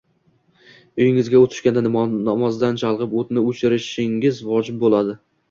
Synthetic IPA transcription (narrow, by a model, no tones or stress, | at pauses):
ojɪŋɪzɡʲaot̪ʰɪ̥ʃkʲand̪anɒmɒzd̪ant͡ʃʰalˠʁɨpot̪nɪot͡ʃʰɪɾɪʃɪŋɪzvɒd͡ʒɪb̚bolad̪ɪ